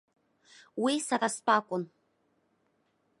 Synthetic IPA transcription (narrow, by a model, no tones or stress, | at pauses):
wisaraspaːkʷʼʊn